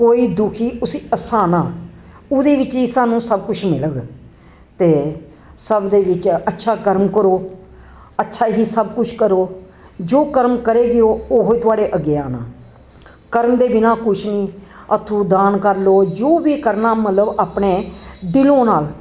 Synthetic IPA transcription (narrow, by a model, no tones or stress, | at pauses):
koːiːd̪ʊkʰiːʊsiːəsaːnãː | ʊd̪eːʋɪt͡ʃisaːnũːsəbkʊt͡ʃʰmɪləɡ | t̪eː | səbd̪eːʋɪt͡ʃətːʃʰaːkəɾmkəɾoː | ətːʃʰaːɦiːsəbkʊt͡ʃʰkəɾoː | d͡ʒoːkəɾmkəɾeːɡɪoːoːɦoiːt̪ʊaːɖeːʔəɡeːaːnã̰ː | kəɾəmd̪eːbɪnãːkʊt͡ʃʰnĩːət̪ʰũːd̪aːnkəɾloːd͡ʒoːʋiːkəɾnaːmət̪ləbaːpɳeːɖɪlõːnaːl